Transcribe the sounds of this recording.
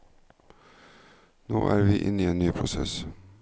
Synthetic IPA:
no̰ːʔæːɾʋɪːʔɪ̰nːieːnnyːpʰɾʊsɛ̰s

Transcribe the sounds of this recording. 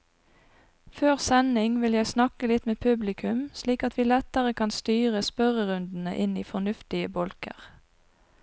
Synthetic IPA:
føːʁsɛnɪŋʋɪljæɪsnɑkəlɪt̪meːpʰʉblɪkʰʉmsliːkɑt̪ʋiːlɛt̪əʁəkʰɑnst̪yːʁəspœʁəʁʉnd̪n̩ə̰ʔɪnḭːfɔnʉft̪ɪəbɔlkə̰ʁ

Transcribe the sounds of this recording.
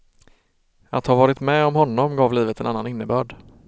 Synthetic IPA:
at̪havɑːɾɪt̪mɛɔmɦɔnːɔmɡɑːvliːvət̪ɛnanːanɪnːəbœːɖ

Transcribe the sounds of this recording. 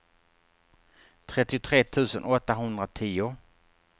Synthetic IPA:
t̪ʰɾɛt̪ːɪʊt̪ʰɾeːt̪ʰʉ̟ːsə̰nʔɔt̪ːaɦɵnd̪ɾat̪ʰiːʊ

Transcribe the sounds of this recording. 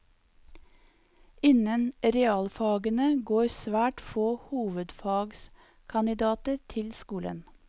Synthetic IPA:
ɪnənɾɛɑːlfɑːɡənəɡoːɾsʋæːʈfoːhuːʋəd̪fɑːɡs | kʰɑnɪd̪ɑːt̪əɾt̪ʰɪlskuːlə̰n

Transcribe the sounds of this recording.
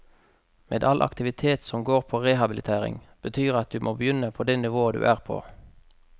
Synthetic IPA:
meːd̪ɑlʔɑ̰kt̪ɪʋɪt̪ʰeːt̪sɔmɡoːʁpʰoːʁeɦɑbɪlɪt̪ʰeːʁɪ̰ŋb̥ət̪ʰyːʁɑt̪̚d̪ʉːmʔoːbəjʏnəpʰoːd̪ɛnɪʋoːəd̪ʉ̰ːʔæːʁpʰo̰ː

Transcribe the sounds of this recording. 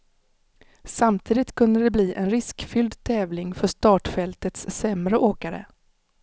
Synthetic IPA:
samt̪ʰiːd̪ɪt̪kʰɵnd̪əɖ̪ɛbliːʔɛnɾɪskfʏld̪t̪ʰɛːvlɪŋfœʂt̪ɑːʈfɛlt̪ət̪sːɛmɾəʔoːkaɾə̰

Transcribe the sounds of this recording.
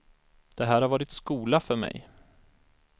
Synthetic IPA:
d̪̥ɛɦæːɾhaɾvɑːɾɪt̪skuːlafœɾmɛ̰j

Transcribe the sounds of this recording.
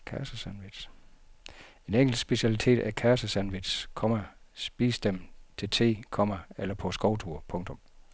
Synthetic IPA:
kʰæɐsəsænʋid̥s | e̝neŋɡ̥l̩̥sb̥e̝ɕiælit͡sʰe̝̰ːd̥ækʰæɐsəsænʋid̥skʰɒ̽mæsb̥iːsd̥em̰t͡sʰe̝t͡sʰe̝̰ːkʰɒ̽mæelɐpʰɒ̽sɡ̥ɒʊt͡sʰuɐ̰pʰɔ̽ŋt͡sʰɔ̽m

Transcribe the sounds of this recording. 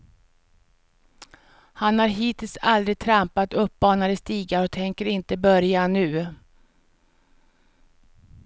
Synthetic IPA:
hanhaɾɦiːt̪ʰɪlsald̪ɾɪɡ̚t̪ʰɾampat̪ɵp̚ːbɑːnaɾəst̪iːɡaɾɔt̪ʰɛŋkəɾɪnt̪əbœɾjanʉ̟ː

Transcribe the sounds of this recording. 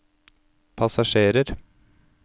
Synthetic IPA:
pʰɑsɑʂeːɾəɾ

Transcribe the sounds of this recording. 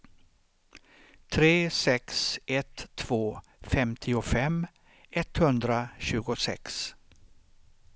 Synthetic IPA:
t̪ʰɾeːsɛksʔɛt̪ʰːv̥oː | fɛmt̪ʰɪʊfɛmː | ɛt̪hɵnd̪ɾaɕʉ̟ːɡʊsɛ̰ks

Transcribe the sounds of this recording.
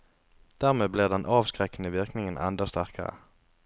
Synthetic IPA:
d̪̥æːʁmeːbliːʁd̪ɛnʔɑːʋskʁɛknəʋɪʁknɪŋənʔɛ̰nd̪ɑst̪æʁkʰə̰ʁə̰

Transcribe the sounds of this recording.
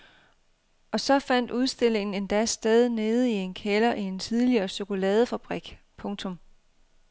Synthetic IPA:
ʔɒ̽sɒ̽fæn̰d̥uð̞ˠsd̥e̝l̰e̝ŋn̩e̝nd̥æsd̥eð̞ˠne̝ːð̞̩ˠie̝nkʰelɐʔie̝nt͡sʰiðˠliɐːso̝ko̝lɛːð̞ˠəfæb̥ʁiɡ̥ | pʰɔ̽ŋt͡sʰɔ̽m

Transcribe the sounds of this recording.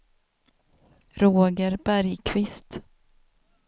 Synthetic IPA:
ɾoːɡəɾbæɾjkʰvɪst̪

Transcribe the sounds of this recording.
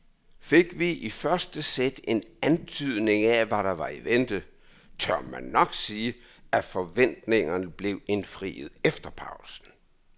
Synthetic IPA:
fe̝ɡ̥ʋiʔifɶɐsd̥əsed̥e̝nænt͡sʰyð̞̰ˠne̝ŋæʋæɾɑ̈ʋɑ̈iʋend̥ə | t͡sʰɶɐ̰mænːɒ̽ɡ̥siːə | æfɒ̽ʋen̰d̥ne̝ŋɐnəb̥le̝ʊe̝nfʁḭːð̩ˠefd̥ɐpʰɑ̈ʊsn̩

